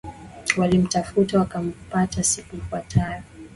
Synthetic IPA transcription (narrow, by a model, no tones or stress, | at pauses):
walim̩tafutawakam̩patasikuifwatʰajɔ